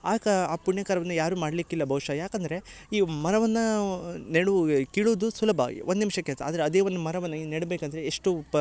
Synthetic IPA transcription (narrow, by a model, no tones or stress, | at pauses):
aːkɐaːpuɳjɐkaːɾɐʋɐnːɐjaːɾuːmaːɽlikːilːɐbʱɐʋʂɐjaːkɐnd̪ɐɾe̞iːmɐɾɐʋɐnːɐneɽukiːɭuʋd̪usulɐbʱa̰ːɡḭʔond̪nimʂɐkːelsɐa̰ːd̪ɐɾeɐd̪e̞ːʋond̪umɐɾɐʋɐnːɐneɽbeːkɐnd̪ɐɾeeʂʈu